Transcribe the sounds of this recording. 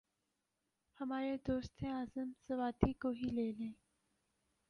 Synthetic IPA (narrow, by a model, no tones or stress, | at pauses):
hɐmaːɾed̪oːst̪ẽaːzəmsɐʋaːt̪ikoɦiːleːlẽː